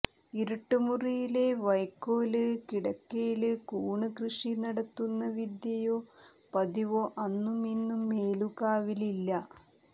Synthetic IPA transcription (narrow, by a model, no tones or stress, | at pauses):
iɾuʈːɨmurijile̞ʋɐjkːoːlɨkiɽɐkːejilɨkuːɳɨkrɨʂinɐɽɐt̪ːunːɐʋid̪jɐjoː | pɐd̪iʋoːʔɐnːuminːumːeːluɣaːʋililːɐ